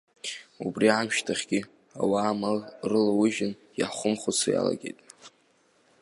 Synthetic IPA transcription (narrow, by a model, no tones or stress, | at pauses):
ubriʕamʃtʰaχʲɡʲi | awaːmarɨlawʊʒɪn | jaχʷʊmχʊt͡sʰaja̰la̰ɡʲejtʼ